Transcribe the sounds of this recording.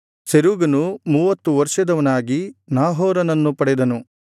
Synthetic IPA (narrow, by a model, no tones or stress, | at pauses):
seɾuːɡɐnumuːʋɐt̪ːuʋɐɾʂɐd̪ɐʋɐnaːɡinaːɦɔːɾɐnɐnːupɐɽɛd̪ɐnu